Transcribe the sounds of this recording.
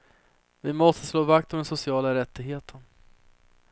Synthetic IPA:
vɪmɔst̪əsloːvakt̪ɔmd̪ɛnsʊsɪɑːlaɾɛt̪ːɪɡɦeːt̪ʰən

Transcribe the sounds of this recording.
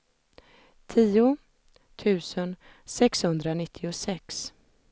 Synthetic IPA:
t̪ʰiːʊ | t̪ʰʉ̟ːsən | sɛkshɵnd̪ɾanɪt̪ʰːɪʊsɛks

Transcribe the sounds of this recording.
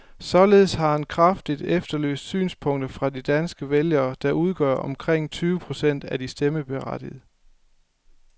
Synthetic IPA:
sɒ̽le̝ðˠshɑ̈hænkʰʁɑfd̥id̥efd̥ɐlø̰ːsd̥sy̰ːnspʰɔ̽ŋ̰d̥ɐfʁɑ̈did̥ænsɡ̥əʋeljɐːd̥ɑ̈ʔuð̞ˠɡ̥ɶɐ̰ʔɒ̽mkʰʁeŋ̰t͡sʰyːʊəpʰʁo̝sen̰d̥æd̥isd̥eməb̥e̝ʁɑd̥ið̩ˠ

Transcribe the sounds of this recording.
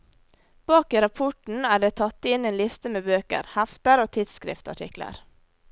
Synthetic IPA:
b̥ɑːkiːɾɑpʰɔʈɳ̩æːɖeːt̪ʰɑt̪ːɪneːnlɪst̪əmeːbøːkə̰ɾhæft̪əɾoːt̪ʰɪd̪skɾɪ̰ft̪ɑ̰ʈʰɪ̰klə̰ɾ

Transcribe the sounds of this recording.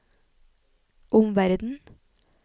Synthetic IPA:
ʔʊmʋæɾd̪n̩

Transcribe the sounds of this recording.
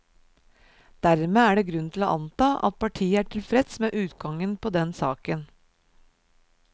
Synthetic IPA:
d̪̥æɾmeːæːɖeːɡɾʉnt̪ʰɪloːʔɑnt̪ɑːʔɑ̰t̪̚pʰɑʈʰiːəæːʈʰɪlfɾɛd̪smeːʔʉːt̪ɡɑŋənpʰɔd̪ɛnsɑːkən

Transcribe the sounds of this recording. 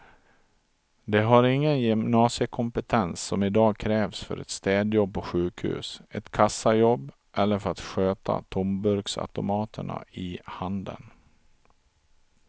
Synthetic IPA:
d̪ɛɦaɾɪŋːənjʏmnɑːsɪəkʰɔmpət̪ʰɛnsːɔmɪd̪ɑːɡ̚kʰɾɛːvsfœ̰ɾɛ̰t̪st̪ɛːd̪jɔb̚pʰɔɧʉ̟ːkhʉ̰ːsɛt̪kʰasːajɔbː | ʔɛlːəɾfœɾat̪ɧøːt̪ʰa̰t̪ʰɔmbɵɾksa̰t̪ʊmɑːt̪ʰəɳa̰ɪhand̪ə̰n

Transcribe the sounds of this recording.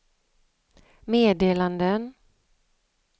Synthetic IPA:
meːd̪eːland̪ən

